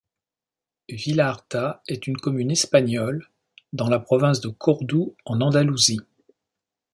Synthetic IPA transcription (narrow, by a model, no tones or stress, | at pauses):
vilaʁt̪aɛt̪ynkɔmynɛspaɲɔl | d̪ɑ̃lapχɔvɛ̃s̬d̪əkʰɔʁd̪uɑ̃nɑ̃d̪aluzi